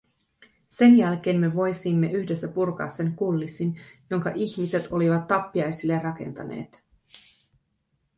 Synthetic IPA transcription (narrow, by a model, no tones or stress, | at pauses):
se̞njælk̟e̞ːnme̞ʋo̞jsimːe̞ʔyçde̞sːæpurkɑ̰ːsːe̞ŋkulːisinjo̞ŋkɑ̰ʔiçmise̞t̪ʰo̞liʋɑt̪ːɑpːiɑjsilːe̞rrɑke̞̰nt̪ɑ̰ne̞̰ːt̪